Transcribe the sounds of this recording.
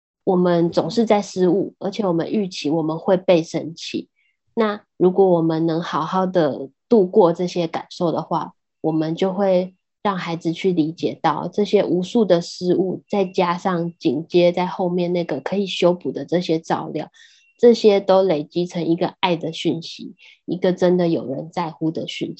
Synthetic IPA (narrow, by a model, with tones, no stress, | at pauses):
wɔ˨˩mə˦nt͡sʊ˨˩ŋʂɻ̩˥˧t͡sa˥˩ɪʂɻ̩˥u˥˩ə̰˞˧˥t͡ɕʰjɛ˨˩wɔ˨˩mə̰˦ny˥˩t͡ɕʰi˧˥wɔ˨˩mə˦nxwe˥˧ɪpe˥˧ɪʂə˥nt͡ɕʰḭ˥˩ | na˥˩ | ɻu˧˥kwɔ˧˥wɔ˨˩mə˦nnɤ˧˥ŋxɑ˨˩ʊxɑ˥˩ʊd̪ə˩t̪u˥˧kwɔ˥˧ʈ͡ʂɤ˥˩ɕjɛ˥ka̰˨˩nʂo˥˩ʊd̪ə˩xwa̰˥˩ | wɔ˨˩mə˦nt͡ɕjo˥˧ʊxwe˥˧ɪ | ɻɑ˥˩ŋxa˧˥ɪd͡zɹ̩˨˧t͡ɕʰy˥˩li˧˥t͡ɕjɛ˨˩t̪ɑ˥˩ʊʈ͡ʂɤ˥˩ɕjɛ˥ʔu˧˥ʂu˥˩d̪ə˩ʂɻ̩˥u˥˩t͡sa˥˩ɪt͡ɕja˥ʂɑ˥˧ŋt͡ɕi˨˩ŋt͡ɕjɛ˥t͡sa˥˧ɪxo˥˧ʊmjɛ˥˧nna˥˩ɡə˩kʰɤ˧˥i˨˩ɕjo˥ʊpu˨˩d̪ə˦ʈ͡ʂɤ˥˩ɕjɛ˥t͡sɑ˥˧ʊljɑ̰˥˩ʊ | ʈ͡ʂɤ˥˩ɕjɛ˥t̪o˥ʊle˨˩ɪt͡ɕi˥ʈ͡ʂʰɤ˧˥ŋi˧˥ɡə˧a˥˩ɪd̪ə˩ɕy˥˩nɕḭ˧˥ | i˧˥ɡə˧ʈ͡ʂə˦˥nd̪ə˨jo˨˩ʊɻə̰˧˦nt͡sa˥˧˩ɪxu˥d̪ə˨ɕy˥˩n˨